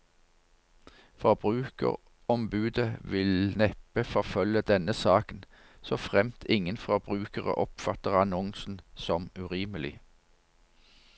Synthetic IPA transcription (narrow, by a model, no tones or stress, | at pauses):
fɔʁbʁʉːkə̰ʁ | ɔmbʉːd̪əʋɪlnɛpəfɔʁfœləd̪ɛnəsɑːkən | soːfʁɛmt̪ʰɪŋənfɔʁbʁʉːkəʁə̰ʔɔpfɑt̪əʁɑnɔŋsn̩sɔmʉʁiːməlɪ